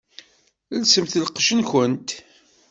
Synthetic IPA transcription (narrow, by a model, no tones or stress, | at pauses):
lsəmθələqːʃənçənt̪